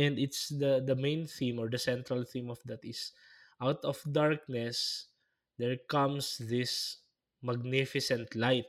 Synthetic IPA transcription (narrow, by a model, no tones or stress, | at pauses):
ɛ̃nd̪ɪt̪sd̪ɐd̪ɐmẽjnθĩmɔɹd̪ɐsɛ̃nt̪ɾɐlθĩmɔfd̪at̪ɪs | ʔawt̪ɔfd̪aɹk̚nɛs | d̪ɛɹkãmsðɪs | mɐɡ̚nɪfɪsɛ̃nt̪lajt̪̚